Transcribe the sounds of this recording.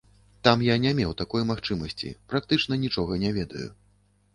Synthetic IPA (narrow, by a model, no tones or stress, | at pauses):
t̪amjanʲɛmʲɛwt̪akɔjmaxt͡ʂɨmɐsʲt͡sʲḭpɾak̚t̪ɨt͡ʂn̪ɐnʲit͡ʂɔɣɐnʲɛvʲɛd̪ɐ̰jṵ